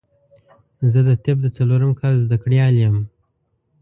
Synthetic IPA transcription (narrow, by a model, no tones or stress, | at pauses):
zəd̪ət̪ɪb̚d̪ət͡saloɾəmkʰɑlzd̪akɽjɑljəm